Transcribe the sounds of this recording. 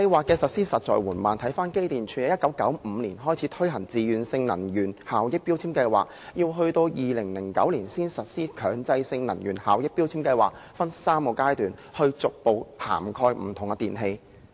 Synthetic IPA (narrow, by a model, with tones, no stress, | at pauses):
kɐ˧jwaː˨kːɛː˧sɐ˨t̚siː˥sɐ˨t̚t͡ʃɔ̰ː˨jwuː˨˩nmaː˨nt̪ʰɐ˨˥jfaː˥nke˥jt̪iː˨˩nt͡ʃʰyː˨nɛ˨˥jɐ˥kːɐ˨˥wkɐ˨˥wm̩˨˧liː˨˩nɦɔː˥jt͡sʰi˨˥t̪ʰɵ˥ɥɦɐ˨˩ŋt͡siː˨jyː˨˩nsɪ˧ŋnɐ˨˩njyː˨˩nhaː˨wjɪ˥k̚piː˥wt͡sʰiː˥mkɐ˧jwa̰ː˨k̚jiː˧wɦɵ˧ɥt̪o˧wjiː˨lɪ˨˩ŋlɪ˨˩ŋkɐ̰˨˥wliː˨˩nsiː˥nsɐ˨t̚siː˥kʰœː˨˧ŋt͡sɐ˧jsɪ˧ŋnɐ˨˩njyː˨˩nhaː˨wjɪ˥k̚pi˥wt͡sʰiː˥mkɐ˧jwa̰ː˨k̚fɐ˥nsaː˥mko˨˧wkaː˥jt̪yː˨nhɵ˧ɥt͡sʊ˨k̚po˨˧wpʰa̰ː˨˩mkʰɔː˧jm̩˨˩t̪ʰʊ˨˩ŋɛ˧t̪iː˨nɦe˧j